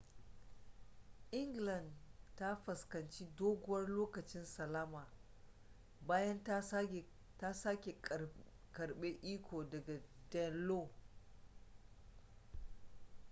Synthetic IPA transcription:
ʔɪ˦ŋɡlɐ˨ndta˦ɸɐ˨skɐ˨nt͡ʃi˦doː˦ɡʷʊ˦wɐ˦rloː˦kɐ˨t͡ʃɪ˦nsɐ˨laː˦maː˨ | baː˦jɐ˦n˦˨ | ta˦sa˦kʲe˨ | kɐ˨ɽɓeː˦ʔiː˦kʷʰoː˨dɐ˨ɡa˨dɛ˨nloː˦˨

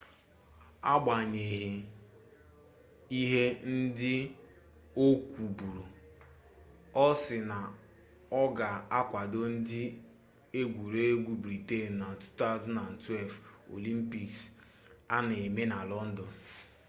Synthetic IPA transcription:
a˦ɡ͡ba˨ɲe˨ɦe˨ | i˦ɦe˦n̩˦dɪ˦ | o˦kʷu˨bu˨ɾo˨ | ɔ˦sɪ˨na˨ | ɔ˦ɡa˨a˦kʷa˨do˦n̩˦dɪ˦ | e˦ɡʷu˨ɾe˦ɡʷu˦bɾi˨te˦˨n̩˨na˨tu̥˦ta˦˨˦zna˨n̩˨twɛ˦lf | o̰˨li˦m̩˦pi˦ks | a˦ne˨e˨me˦na˨lɔ˦n̩˦dɔ˨n

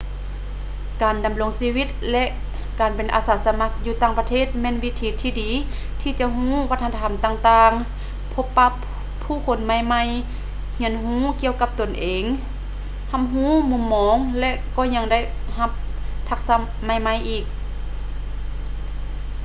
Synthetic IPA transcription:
kaː˨nda˨mlo˧˨˦ŋsiː˧˥wi˧˥t̪̚lɛ˧ʔ | kaː˨˩npe˨˩nʔa̰ː˨˩saː˨˦sa˧ma˧˥k̚juː˧t̪aː˧˨ŋpa˧t̪ʰeː˥˨t̪̚mɛː˧˥˨nwi˧t̪ʰiː˨˦t̪ʰiː˧diː˨˦ | t̪ʰiː˧t͡ɕa˧ʔɦũː˧˥˨wa˧t̪̚ʰːa˧a˨˩˨mt̪aː˧ŋt̪aː˧ŋ | pʰo˧˥pːa˧˥pʰː | uː˧˥˨kʰo˨˦nma˧˥˨jma˧˥˨j | hi˧˥ənɦũː˧˥˨ki˧˨əwka˧p̚t̪o˨˩nʔeː˨ŋ | ha˧˨m̚ɦuː˧˥˨mu˧˨mːɔː˧˥ŋlɛ˧ʔkɔː˧˨ɲa˧ŋda˥˩˨jha˧p̚t̪ʰa˧˥k̚sa˧ | ma˧˩jma˧˥˨jʔiː˨˩k̚

